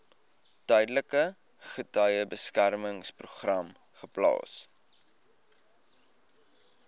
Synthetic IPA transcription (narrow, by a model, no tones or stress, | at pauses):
tœjdələkə | χətœjəbəskærməŋspruχrɐm | χəplɑ̰ːs